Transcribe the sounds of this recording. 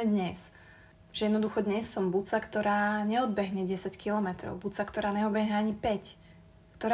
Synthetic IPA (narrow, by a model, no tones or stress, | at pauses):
mɛd̪ɲɛs | ʒ̥ɛjɛd̪nɔd̪uxɔd̪ɲɛsːɔmbut͡sakt̪ɔɾaːɲɛɔd̪̚bɛɦɲɛɟɛsackilɔmɛt̪ɾɔ̰ʊbut͡sakt̪ɔɾaːɲɛɔbɛɦɲɛaɲipɛc | kt̪ɔɾa